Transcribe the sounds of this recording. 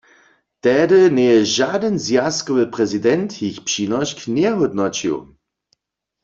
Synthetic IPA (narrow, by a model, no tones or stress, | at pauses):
tɛdənɛjɛʒadənzjaskɔvəpʁɛzidɛnthiçpʃinɔʃknjɛɦɔdnɔt͡ʃḭw